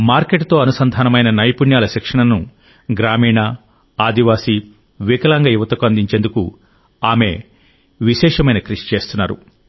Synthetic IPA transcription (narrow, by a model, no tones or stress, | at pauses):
maːɾkeʈt̪o̞ːɐnusɐnd̪ʱaːnɐmɐjnɐnɐjpuɳjaːlɐʃikʂɐɳɐnu | ɡɾaːmiːɳɐ | aːd̪iʋaːsi | ʋikɐlaŋɡɐjuʋɐt̪ɐkuɐnd̪iɲt͡ʃeːnd̪uku | aːme̞ | ʋiʃɛːʂɐmɐjnɐkɾiʂi̥t͡ʃe̞ːst̪unːaːɾṵ